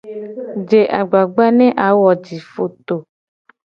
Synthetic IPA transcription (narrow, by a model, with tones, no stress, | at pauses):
d͡ʒe˨ʔa˨ɡ͡ba˨ɡ͡ba˦nɛ̃˦ʔa˨˦wɔ˨d͡ʒi˨fo˨t̪o˨